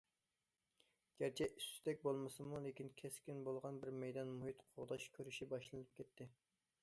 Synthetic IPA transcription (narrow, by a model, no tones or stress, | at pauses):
ɡ̥ʲæɾt͡ʃʰɛʔyst̪ɛk̚ʲbolˠmɨsɨmulˠekʲinkʲʰɛskʲinbolˠʁɑnbɪɾmɛjd̪ɑnmuhit̪qʰoʁd̪ɑʃkʲʰøɾyʃibɑʃlˠɨnɨp̚kʲʰɛt̪ʰːɪ